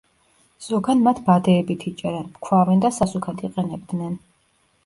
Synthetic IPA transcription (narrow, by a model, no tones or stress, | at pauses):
z̥ɔɡanmat̪ʰbad̪ɛːbit̪ʰit͡ʃʼɛɾɛnmkʰwavɛnd̪asasukʰat̪ʰiqʼɛnɛb̚d̪nɛn